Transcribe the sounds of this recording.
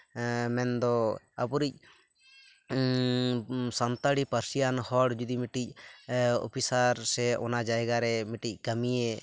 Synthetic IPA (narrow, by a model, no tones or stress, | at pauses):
mɛnd̪ɔ | apuɾic̚ | sant̪aɽipəɾsijanhɔɽd͡ʒud̪imiʈic̚ | ɔ̰pʰisaɾsɛɔnad͡ʒajɡaɾɛmiʈic̚ˀkəmijɛ